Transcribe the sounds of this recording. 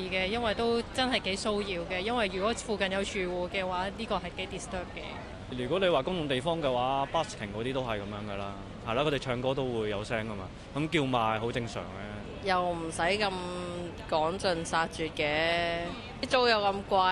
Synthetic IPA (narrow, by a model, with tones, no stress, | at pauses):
iː˧kɛː˧jɐ˥nwɐ˨jt̪o˥wt͡sɐ˥nɦɐ˨˩jke˨˥jso˥wjiː˧wkɛː˧jɐ˥nwɐ˨jɥy˨˩kɔ˨˥fuː˨˧kɐ˨njɐ˨˧wt͡ʃʰyː˨˧wuː˨kɛː˧waː˨˥liː˥kɔː˧hɐ˨jke˨˥jt̪iː˨˩st̪œː˥p̚kɛ̰ː˧ | jyː˨kʷɔ˨˥le˨˧jwaː˨kʊ˥ŋt̪ʰʊ˨˧ŋt̪e˨jfɔː˥ŋkɛ˧waː˨˦˥paː˥skʰɪ˨˩ŋkɔː˨˥t̪iː˥t̪o˥wɦɐ˨jkɐ˨˧mjœː˨˧ŋɡɐ˨laː˦˥ | hɐ˨˩jlaː˨˧kʰɔ˨˧t̪e˨˩t͡ʃʰœː˧ŋkɔː˥t̪̬o˥wwuː˨˧jːɐ˨˧wsɛː˥ŋkɐ˥maː˨ | kɐ˨˥mkiː˧wmaː˨˩jɦo˨˥wt͡sɪ˧ŋsœ̰ː˨˩ŋlɛː˥ | jɐ˨wm̩˨˩sɐ˨˥jkɐ˧m | kɔː˨˥ŋt͡ʃɵ˨˧nsaː˧t̚t͡ʃyː˨t̚kɛː˧˥ | t͡so˥wjɐ˨˧wkɐ˧mkʷaː˧